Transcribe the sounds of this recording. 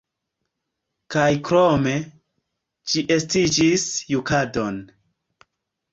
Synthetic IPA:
kajkɾome̞ | t͡ʃiʔe̞stid͡ʒisjukadon

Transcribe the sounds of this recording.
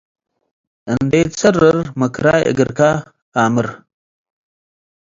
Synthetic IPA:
əndet͡sərəɾməkɾa̰ə̰ɡəɾka | aməɾ

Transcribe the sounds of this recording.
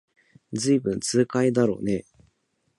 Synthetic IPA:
d͡zɨibɯ̟̃nt͡sɨːkaid̪aɾo̞̰ːne̞

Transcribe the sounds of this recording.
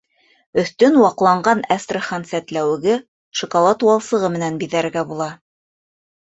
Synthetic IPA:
ɵ̆θt̪ɵnwɑqlˠɑɴɢɑnæst̪rəχɑnsæt̪læwɘ̆ɡɘ | ʃŏkolˠɑt̪wɑlˠsɤ̆ʁɤmɘ̆nænbiðæɾɘ̆ɾɡæbulˠɑ

